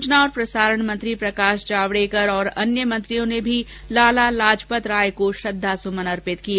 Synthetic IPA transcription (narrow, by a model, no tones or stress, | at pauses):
t͡ʃnaɔːɾpɾɐsaːɾəɳ̃mɐ̃nt̪ɾipɾɐkaːʃd͡ʒaːʋɽekəɾɔːɾɐ̰njəmɐ̃nt̪ɾijõnebʱi | laːlalaːd͡ʒpət̪ɾaːjkoʃɐd̪ʱːasʊmənɐɾpɪt̪kie